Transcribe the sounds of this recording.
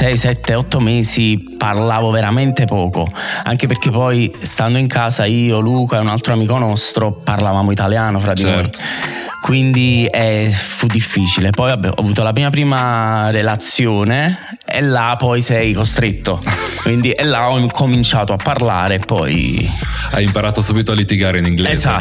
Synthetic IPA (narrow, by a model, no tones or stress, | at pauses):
sɛjsɛt̪ːeɔt̪ːomɛːziparlaːvoveɾament̪epɔːko̰a̰ŋk̟eperk̟epɔjst̪and̪oiŋkʰaːsaiːoluːkaɛunalt̪ɾoamiːkonɔst̪ɾoparlavaːmoit̪aljaːnofɾad̪ːinoj | kwind̪iɛfud̪ːifːiːt͡ʃilepɔjabɛ̰ɔ̰avuːt̪olapɾiːmapɾiːmarelat̪sːjoːne | ḛlːapːɔjsɛjkost̪ɾet̪ːokwind̪iʔelːaɔkʰomint͡ʃaːt̪oapːarlaːɾepːɔ̰j | a̰jimpaɾaːt̪osuːbit̪oalːit̪iɡaːɾeiniŋɡlɛeza